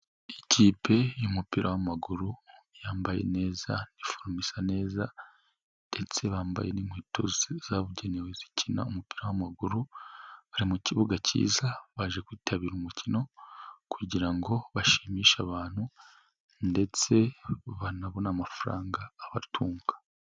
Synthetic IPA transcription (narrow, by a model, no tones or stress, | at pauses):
iciːpʰe̞jumupiɾawamaɡuɾujaːmbaje̞̰ne̞ːzanifoɾmisane̞ːza | nde̞t͡se̞βaːmba̰jenimhiːtʰo̰zizaβuɟe̞newezi̥cʰina̰umupiɾawamaɡuɾuβaɾimuciβuɡacḭːzaβaʒe̞kwiːtʰaβiːɾumucino̞kʰuɟiɾaŋɡo̞βaʃimiːʃaβaːn̥hu | nde̞t͡se̞βanaβonamafuɾa̰ːŋɡaːβatʰuːŋɡa